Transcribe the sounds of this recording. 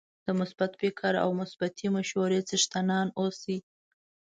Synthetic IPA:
d̪̥əmʊsbat̪fɪkʰaɾa̰wmʊsbat̪ʰimaʃwaɾet͡səʃt̪anɑnosi

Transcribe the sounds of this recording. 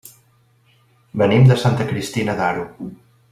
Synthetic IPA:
bənimd̪əsant̪əkɾist̪inəðaɾu

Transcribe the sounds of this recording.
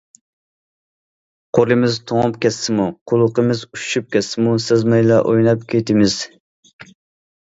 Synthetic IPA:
qʰoɾɨmɪzt̪ʰoŋpkʲɛsːɪmuqʰʊlˠʊqəmɪzuʃʃyp̚kʲʰɛsːɪmusezmɛjlɛʔojnɑp̚kʲʰet̪ʰɪmɪz̥

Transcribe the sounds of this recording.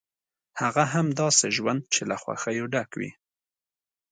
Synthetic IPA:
haɣaɦamd̪ɑːseʒwand̪̚t͡ʃʰelaxwa̰xajoɖakwḭ

